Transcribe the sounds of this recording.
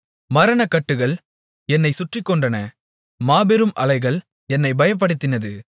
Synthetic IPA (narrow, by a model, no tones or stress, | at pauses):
mɐɾɐnɐkɐʈːɯɣɐɭ | ɛnːɐɪsʊʈrɪkːɔɳɖɐnɐ | maːbɛɾɯmɐlɐɪɣɐɭ | ɛnːɐɪbɐjɐp̬ːɐɽɯt̪ːɪnɐðɯ